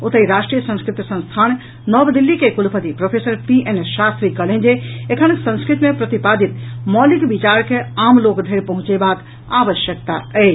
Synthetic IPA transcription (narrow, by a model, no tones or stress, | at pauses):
ot̪əiɾaːsʈɾijəsə̃nskɾɪt̪sə̃nst̪ʰaːn | nɔːbd̪ilːikekulpət̪ipɾopʰeːsəɾpiʔenesʃast̪ɾikəlẽnd͡ʒeekʰənksə̃nskɾɪt̪mẽpɾət̪ipad̪it̪mɔːlikbit͡ʃaːɾkʰeaːmloːkd̪ʱəɾpɐɦʊ̃t͡ʃebak | aːʋəʃjək̚t̪aɛː